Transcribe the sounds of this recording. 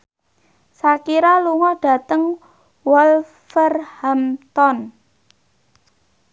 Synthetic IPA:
sakiɾaluŋɔɖ̥a̤t̪əŋ | wɔl | fərhamt̪ɔn

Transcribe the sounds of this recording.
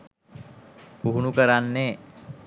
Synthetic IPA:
puɦunukəɾanːeː

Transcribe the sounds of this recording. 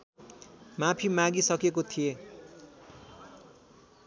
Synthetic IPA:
mapʰimaɡisʌkekot̪ʰije

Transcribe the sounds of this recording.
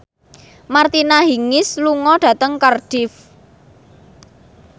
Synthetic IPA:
mart̪inaɦiŋɪsluŋɔɖ̥ä̤t̪əŋkərɖ̥ɪf

